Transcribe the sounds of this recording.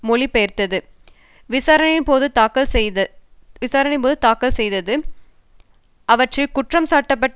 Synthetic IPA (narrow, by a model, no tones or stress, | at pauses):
mʊɭipejɐɾt̪ɐðɯ | ʋɪsaːɾɐnɪnpoːðɯt̪aːkɐls | ʋɪsaːɾɐnɐɪpoːðɯt̪aːkːɐlsɛjðɐðɯ | ʔɐʋɐʈrɪkʊʈrɐmsaːʈːɐpːɐʈː